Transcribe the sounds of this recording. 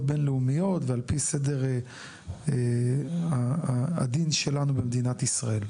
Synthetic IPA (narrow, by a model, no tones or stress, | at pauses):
t̚benleumijo̞t̪vealpised̪e̞ʁ | aa̰d̪inʃe̞lanube̞md̪inat̪isʁae̞l